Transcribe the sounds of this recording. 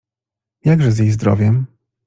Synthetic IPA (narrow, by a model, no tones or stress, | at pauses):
jaɡʐɛzʲjejzd̪ɾɔ̰vʲjɛm